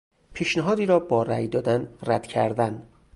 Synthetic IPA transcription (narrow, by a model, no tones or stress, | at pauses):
pʰiːʃnæɦɒːd̪iːɾɒːbɒːɾæjd̪ɒːd̪ænræd̪̥cʰæ̰ɾd̪æn